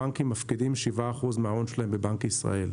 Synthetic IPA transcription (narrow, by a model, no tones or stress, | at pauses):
aŋkimːafkidimʃivaːχuzmeaonʃlaembebaŋkisʁa̰el